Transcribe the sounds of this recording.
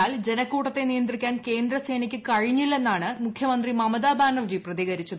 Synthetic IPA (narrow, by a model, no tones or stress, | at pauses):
aːld͡ʑe̞nɐkːuːʈːɐt̪ːe̞nijɐnd̪rikʲːaːnke̞ːnd̪ɾɐse̞ːnikʲːɨkɐɻiɲːilːe̞nːaːɳɨmukʰjɐmɐnd̪rimɐmɐd̪aːbaːɳɖɐrd͡ʑiprɐðiːɣɐɾit͡ɕːɐðɨ